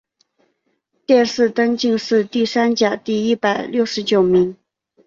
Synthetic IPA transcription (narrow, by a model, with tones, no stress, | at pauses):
t̪jɛ˥˧nʂɻ̩˥˩t̪ə˥ŋt͡ɕi˥˧ŋʂɻ̩˥˧t̪i˥˩sa˥nt͡ɕja˨˩t̪i˥˩i˥˩pa˨˩ɪljo˥˩ʊʂɻ̩˧˥t͡ɕjo˨˩ʊmi˧˥ŋ